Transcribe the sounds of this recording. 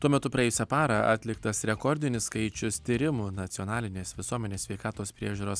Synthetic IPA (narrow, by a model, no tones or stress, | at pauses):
t̪uɔmʲɛt̪ʊpɾɐeɛjʊsʲɛpɑːɾɐ̰ʔɑ̰ːt̪ʲlʲɪkt̪ɐsɾʲɛkɔɾʲd̪ʲɪnʲɪsskɐɪt͡ʃʲʊst̪ʲiɾʲɪmuːnɐt̪sʲɪɔnɑːlʲɪnʲeːsʋʲɪsuɔmʲɛnʲeːssʲʋʲɛɪkɑːt̪oːspʲɾʲiɛʒʲuːɾoːs